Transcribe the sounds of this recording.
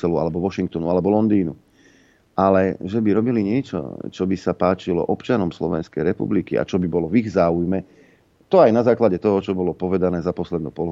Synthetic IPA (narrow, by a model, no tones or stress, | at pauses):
ɛlua̰lɛbɔʋɔʃiŋk̚t̪ɔnualɛbɔlɔnd̪iːnu | ʔalɛʒɛbiɾɔbiliɲɪɛt͡ʃɔ̰t͡ʃɔbisapaːt͡ʃilɔ̰ʔɔpt͡ʃanɔmslɔ̰ʋɛ̰nskɛjɾɛpṵblikḭa̰t͡ʃɔbibɔlɔviɣzaːujmɛ | t̪ɔajnazaːklaɟɛt̪ɔɦɔt͡ʃɔbɔlɔpɔʋɛd̪anɛːzapɔslɛd̪nuːpɔlɦ